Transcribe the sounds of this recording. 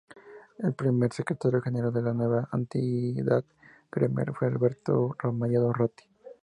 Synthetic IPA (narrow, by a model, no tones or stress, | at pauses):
elpɾime̞ɾsekɾet̪aɾjoxeneɾald̪elanwe̞βaʔant̪iðað | ɡ̥ɾemḛɾfwealβeɾt̪oramajaðorat̪i̥